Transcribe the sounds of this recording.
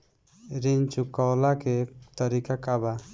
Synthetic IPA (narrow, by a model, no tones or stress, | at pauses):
ɾiɲt͡ʃukawlakɛt̪əɾikakaba